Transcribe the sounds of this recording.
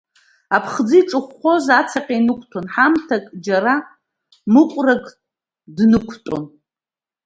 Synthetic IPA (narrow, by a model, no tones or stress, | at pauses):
apʰχd͡zɨjʈ͡ʂʼɨχʷχʷozat͡sʰaqʲʼejnɨkʷʰtʰonħamtʰakʼd͡ʒara | mɨqʷʼrakʼ | dnɨkʷʰtʷʼo̰n